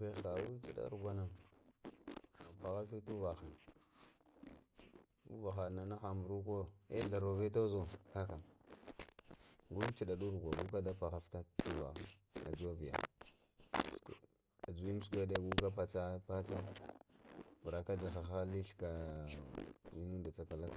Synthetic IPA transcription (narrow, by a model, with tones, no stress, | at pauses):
e˦xa˨wu˦t͡ʃi˨ɗa̰˦ɾɡʷa˦na˨ | pa˨ɣa˦fti˦tu˦va˨xa˨ | ṵ˦va˨xa˨na˨na˦xa˨mbu˨ɾu˦ko˦ḛ˦ɬa˨ɾo˨ve˦t̬o˦zo˦˨ka˦ka˨m | ɡu˦t͡ʃi˨da˨ɗu˦ɾɡʷa˨ɡu˦ka˦da˦pa˨ɣa˦fta˦tu˦va̰˨xa˨a̰˨d͡ʒu˦a˦vi˨ja̰˨ | s | a˨d͡ʒu˨wi˦m˦skʷa˦da˦˨ɡu˦ka˦pa˨t͡sa˦pa˦t͡sa˦ | vɾa˨ka˦d͡ʒa˨xa˨xa˦li˦ɬka˨ | i˦nu˦da˨t͡sa˦ka˨la˦ka˨